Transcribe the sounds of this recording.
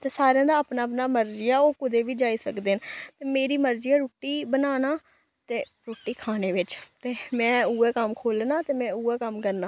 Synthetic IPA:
t̪eːsaːɾejãːd̪aːəpnaːəpnaːməɾd͡ʒɪjaːoːkʊd̪eːʋiːd͡ʒaːiːsəkd̪eːnt̪eːmeːɾiːməɾd͡ʒɪjaːɾuːʈːiːbənaːnaː | t̪eː | ɾuːʈːiːkʰaːneːʋɪt͡ʃt̪eːmɛ̃ːuːɛːkəmkʰoːlnaːt̪eːmɛ̃ːuːɛːkəmkəɾnaː

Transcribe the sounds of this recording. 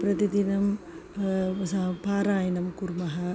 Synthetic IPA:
pɾɐt̪id̪inɐm | sɐpaːɾaːjɐnɐmkuɾmɐɦɐ

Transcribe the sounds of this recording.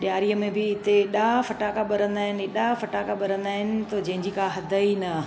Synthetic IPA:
ɗjaːɾijəmẽbɪɪt̪eɗafɐʈaːkaɓɐɾ̤ə̃nd̪aːɦɪnɪeɗafɐʈaːkaɓɐɾə̃nd̪aːɦɪnɪ̆t̪od͡ʑɐ̃ɦɪ̃ɲd͡ʑikʰãɦɐd̪ʱəinɐ

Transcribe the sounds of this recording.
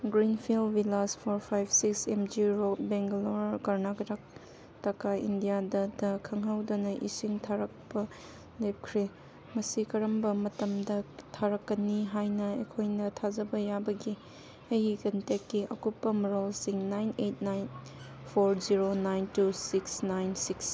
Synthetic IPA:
ɡɾinpʰilwilaspʰoɾpʰajbsiksemd͡ʒiɾobeŋɡloɾkɐɾnaɡɾak̚ | tɐkaḭndijadɐdɐkʰɐŋɦawdɐnɐʔisiŋtʰaɾɐk̚pɐ | lep̚kʰɾe | mɐsikɐɾɐmbɐmɐtɐmdɐtʰaɾɐkːɐnːiɦajnɐḛkʰojnɐtʰazɐbɐjabɐɡi | ɐjikɐntekːiʔɐ̰kupːɐmɾolsiŋnajnet̚najn | pʰoɾziɾonajntusiksnajnsiks

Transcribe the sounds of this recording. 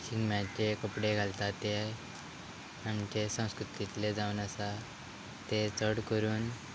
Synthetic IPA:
ɕiŋɡmjat͡ɕekəpɽeɡʱalt̪at̪e | amt͡ɕesə̃w̃skɾut̪it̪led͡zaunasa | t̪et͡səɽkəɾuːn

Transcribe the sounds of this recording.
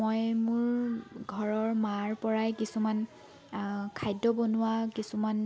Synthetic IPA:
mojmʊɹɡʱɔɹɔɹmaɹpɔɹajkisuman | kʰajdɔbonʊwakisuman

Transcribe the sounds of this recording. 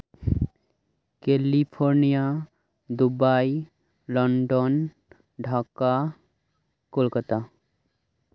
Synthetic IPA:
kelipʰoɾnija | d̪ubaj | lɔɳɖon | ɖʱaka | kolkat̪a

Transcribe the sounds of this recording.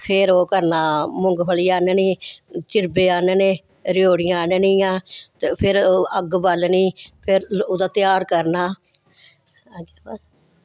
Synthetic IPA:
pʰɪɾoːkəɾnaːmʊŋɡpʰəliːaːneːnĩːt͡ʃɪɾbeːaːneːneː | ɾjoːɽɪjãːneːnĩːãːt̪eːpʰɪɾəɡbəlniːpʰɪɾod̪aːt̪ɪjaːɾkəɾnaː | ɡeːba

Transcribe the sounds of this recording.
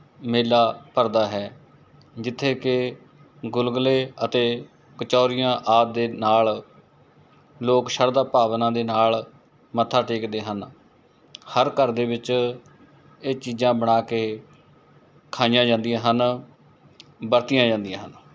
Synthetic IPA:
meːlaːpəɾd̪aːɦɛː | d͡ʒɪt̪ʰːeːkɪ | ɡʊlɡleːət̪eː | kət͡ʃɔːɾɪjãːʔaːt̪̚d̪eːnaːl | loːkʃəɾd̪aːpaːʋnãːd̪eːnaːl | mət̪ʰːaːʈeːkd̪eːɦən | həɾkəɾd̪eːbɪt͡ʃ | eːt͡ʃiːzãːbəɽ̃aːkeː | kʰaːijãːd͡ʒãːnd̪ijãːɦən | bəɾt̪ɪjãːd͡ʒãːnd̪ɪijãːɦən

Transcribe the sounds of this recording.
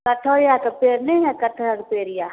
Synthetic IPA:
kɐʈʰoːjakɐpeːɾneɦɛkɐʈʰɔjakpeːɾjaː

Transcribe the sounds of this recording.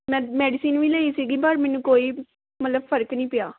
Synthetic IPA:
mɛ̃ːmɛːɖɪsiːnʋiːləiːsiːɡiːpəɾmɛ̃ːnũːkoːiː | mət̪ləbpʰəɾəknĩːpɪjaː

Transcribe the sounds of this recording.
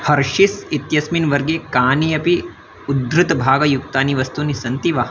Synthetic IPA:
hɐɾʃisit̪jɐsminʋɐɾɡeːkaːnijɐpi | ud̪ɾɨt̪bʱaːɡɐjukt̪aːniʋɐst̪unisɐnt̪iʋɐɦɐ

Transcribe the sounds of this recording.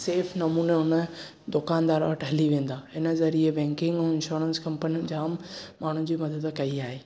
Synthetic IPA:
seːfnɐmuːneʊnə | d̪ʊkaːnd̪aːɾʋɐʈʰɦɐliʋẽːn̆d̪aːɪnə̆zɐɾiebɛ̃ːŋkɪ̃ŋɡɛ̃ːɪ̃nʃoːɾənskɐ̃mpənijmd͡ʑãːmmaːɳ̤ũd͡ʑiːmɐd̪əd̪kɐiaːɦeː

